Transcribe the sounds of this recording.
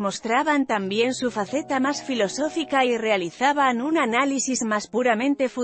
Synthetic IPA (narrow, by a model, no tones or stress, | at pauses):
most̪ɾaβant̪ambje̞nsufaθet̪amasfilo̞sofikairealiθaβanunanalisizmaspuɾamẽnt̪e̞fu